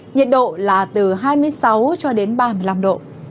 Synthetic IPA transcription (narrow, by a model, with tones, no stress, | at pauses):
ɲə˨ət̚ɗo̰˧˨laː˨˩t̪ɨ˨˩ɦaː˧jmɨ˧əjsa˨˦wt͡ɕɔ˧ɗe˨˦nɓaː˧mɨ˧˩əjla˧mɗo̰˧˨